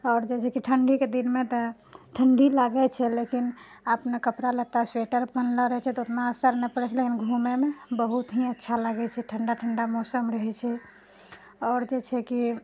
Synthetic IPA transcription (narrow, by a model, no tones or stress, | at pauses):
ɔːɾd͡ʒɛt͡ʃʰɛkiʈʰəɳɖiked̪inmet̪ɔʈʰəɳɖilaɡɛt͡ʃʰɛlekin | əpnekəpɾalət̪asweʈəɾpənləɾəɦɛt͡ʃʰɛt̪ɔot̪naəsəɾnɛpəɽɛt͡ʃʰlekinɡʱumemebəɦut̪ɦiətːʃʰaləɡɛt͡ʃʰɛʈʰəɳɖaʈʰəɳɖamosəmɾəɦɛt͡ʃʰɛ | ɔːɾd͡ʒɛt͡ʃʰɛki